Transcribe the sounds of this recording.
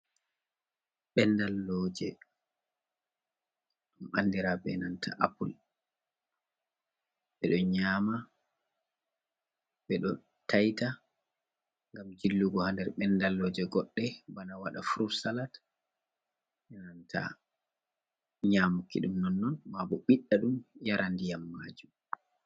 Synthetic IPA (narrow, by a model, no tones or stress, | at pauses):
ɓɛndalːɔːd͡ʒɛ | ɗumanːdiɾabɛnantʰa̰ʔapul | ɓɛɗɔɲaːma | ɓɛɗɔ | tʰajta | ŋɡamd͡ʒilːuɡɔhandɛɾɓɛndalːɔd͡ʒɛɡɔɗːɛbanawaɗafuɾuɾsalat | ɓɛnantʰa̰ | ɲaːmukːiɗumnɔnːɔnmabɔɓiɗːaɗumjaɾandijamːaːd͡ʒum